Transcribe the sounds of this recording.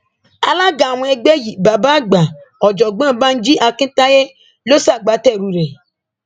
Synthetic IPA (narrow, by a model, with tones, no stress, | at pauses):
a˨la˦ɡa˨w̃ɔ̃˦e˧ɡ͡be˦ji˨ba˨ba˦ɡ͡ba˨ | ɔ˨d͡ʒɔ˨ɡ͡bã˦˨˦ba˦n̩˦d͡ʒi˦ʔa˧kɪ̃˦ta˦je˦ | lo˦sa˦˨ɡ͡ba˨˦tɛ˦˨ɾu˨ɾe˨